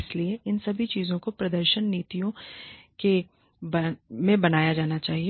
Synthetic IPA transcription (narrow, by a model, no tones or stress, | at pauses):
ɪslieʔɪnsɐbʱit͡ʃiːzõkopɾɐd̪əɾʃənːiːt̪ijõke | bɐmẽbɐnaːjad͡ʒaːnat͡ʃaːɦie